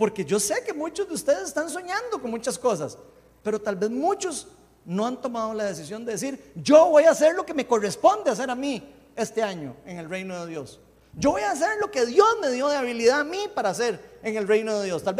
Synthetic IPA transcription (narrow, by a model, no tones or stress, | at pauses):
po̞ɾke̞d͡ʒo̞se̞ke̞mũt͡ʃozd̪eust̪eðesest̪ansoɲãnd̪okonmũt͡ʃasko̞s̬as | pe̞ɾot̪albe̞zmut͡ʃos | no̞ant̪o̞maðolaðe̞s̬isjo̞nd̪e̞ðes̬iɾd͡ʒoβo̞jase̞ɾlo̞ke̞me̞ko̞re̞spond̪eas̬e̞ɾami | e̞st̪e̞aɲo̰eŋe̞lrejnoðe̞ðjo̞s | d͡ʒo̞βo̞jaːs̬e̞ɾlo̞ke̞ðjo̞zme̞ðjo̞ðeaβiliðaːmipaɾaːse̞ɾeŋe̞lrejnoðeðjo̞st̪alb